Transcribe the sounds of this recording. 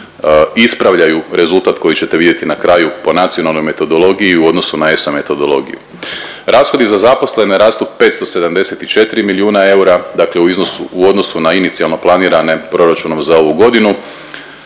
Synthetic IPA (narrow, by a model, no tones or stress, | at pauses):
ispɾaʋʎajuɾe̞zulˠt̪aːt̪ko̞jit͡ɕe̞t̪e̞id̪jet̪inakɾajupo̞nat̪sionalno̞jme̞t̪o̞d̪o̞lo̞ɡijiuo̞d̪nosunae̞some̞t̪o̞d̪o̞lˠo̞̰ɡḭjṵ | ɾaːsxod̪izazapo̞sle̞neɾaːst̪uppe̞t̪st̪o̞se̞d̪amd̪e̞set̪it͡ʃe̞t̪iɾimiliuːnae̞uɾad̪akle̞uiznosuuo̞d̪no̞sunainit̪sialˠno̞plˠaniːɾane̞pɾo̞ɾat͡ʃuno̞mzao̞ʋuɡo̞d̪inu